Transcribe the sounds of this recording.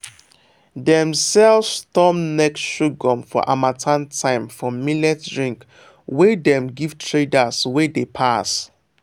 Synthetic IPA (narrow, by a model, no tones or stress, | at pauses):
dɛ̃msɛlvstɔmnɛkʃuɡɔ̃mfɔ̰ʔamatʰãntʰãɪ̃mfɹɔ̃milɛtdɹĩŋk | wedɛ̃mɡiv̥tʰɹedaswɛdepʰas